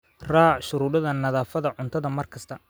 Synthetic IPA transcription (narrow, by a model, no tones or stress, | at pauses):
raːʕʃʊɾuːðɐðɐnɐðaːfɐðɐʕʊnt̪ʰɐðɐmɐrkʰɐst̪ʰɐ